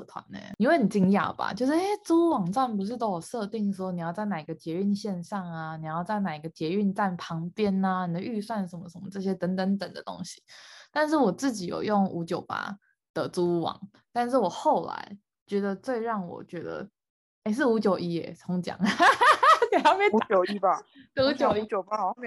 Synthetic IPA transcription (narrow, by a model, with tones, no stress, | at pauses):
t̪ʰwa̰˧˦nḛ˨˩ni˨˩we˥ɪ˩ə˩i˨˩t͡ɕi˥ŋja˥˩b̥a̰˨˩t͡ɕjo˥˧ʊʂ̩˥e˥t͡su˥u˥wɑ˨˩ŋt͡swa˥˩np̬u˧˥ʂ̬ɻ̩˥˩t̪o˥jɔ˨˩ʂɤ˥˧t̪i˥˩ŋ˩ʂ̩˧˥o˥˩ni˨jɑ˥˧ʊt͡sa˥˩ɪna˨˩i˧˦ɡə˩t̪ʰjɛ˧˥y˥˧nɕjɛ˥˧nʂɑ˥˩ŋa˩ni˨˩˨jɑ˥˧ʊt͡sa˥˩ɪna˨˩i˧˥ɡə˩t̪ʰjɛ˧˥y˥˧nt͡sa˥˩npʰɑ˧˥ŋpjɛ˦˥na˧ni˨˩d̪ə˧ʔy˥˧swa˥˩nʂə˨˩nmə˦ʂə˨˦nmə̰˦ʈ͡ʂɤ˥˧˩ɕ̬jɛ˦˥t̪ə˧˥nt̪ə˧˦˥nt̪ə˨˩ŋd̪ə˦t̪o̰˥ŋɕi̥˨˦t̪a˥˧nʂ̬ɻ̩˥˩wɔ˨˩t͡sɹ̩˥˩t͡ɕi˨˥jo̰˨˩ʊjo˥˩ŋu˧˥t͡ɕjo˨˩ʊpa̰˨˩ | d̪̥ə˦t͡su˥˧˥wɑ̰˨˩˦ŋ | t̪a˥˧nʂɻ̩˥˩wɔ˨˩xo˥˩ʊla̰˧˥ɪ | t͡ɕɥɛ˧˥d̪ə˧t͡swe˥˧ɪɻɑ˥˩ŋwɔ̰˨˩t͡ɕɥɛ˧˥d̪ə̰˧ | e˥ɪʂ̬ɻ̩˥˩u˧˥t͡ɕjo˨ʊʔi˥ḛ˨˩t͡sʰo˧˥ŋt͡ɕjɑ̰˨˩ŋ | ni˨˩ɑ˥˩ʊmɛ˥˧˥o˨i˥ba˨t̪u˧˥t͡ɕjo˨˩ʊi˧˥˨a